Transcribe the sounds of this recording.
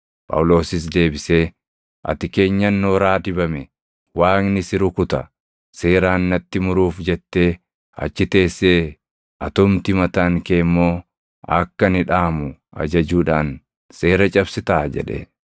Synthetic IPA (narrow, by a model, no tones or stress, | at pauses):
pʼɐ̰wʊlo̞ːsɪs̬d̪e̞ːbɪse̞ː | ʔɐ̰t̪ɪke̞ːɲːɐnːoːɾaːd̪ɪbɐmɛ | waːknɪsɪɾʊkʊt̪ɐ̰ | se̞ːɾaːnːɐt̪ːɪmʊɾuːfd͡ʒɛt̪ːe̞ː | ɐ̰t͡ʃːɪt̪e̞ːsːe̞ː | ʔɐt̪ʊmt̪ɪmɐt̪aːŋke̞ːmːoː | ɐkːɐnɪᶑaːmʊɐ̰d͡ʒɐd͡ʒuːᶑaːn | se̞ːɾɐt͡ʃʼɐbsɪt̪aːd͡ʒɛ̰ᶑɛ̰